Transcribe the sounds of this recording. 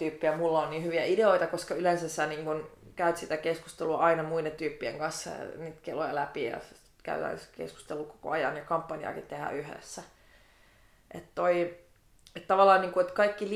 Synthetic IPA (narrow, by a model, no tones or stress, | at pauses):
t̪yːpːiæmulːɑonniːhyʋiæideoit̪ɑkoskɑylensæsːæniːŋkunkæyt̪sit̪ækeskust̪eluɑʔɑinɑmuident̪yːpːiḛŋkɑnsːɑ̰niːt̪kelojɑlæpijɑ̰ | kæ̰yt̪æ̰skḛsku̥st̪eluko̥ko̰ɑjɑ̰njɑkɑmpːɑniɑ̰kit̪t̪ehæ̰ʔyɦø̰sːæ | ʔet̪t̪oi | et̪t̪ɑʋɑlːɑːnniːŋkuet̪kɑikːil